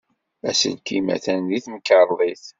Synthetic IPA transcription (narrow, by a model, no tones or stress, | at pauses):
æsə̰lkimæ̰θænðiθməkəɾˤðˤiθ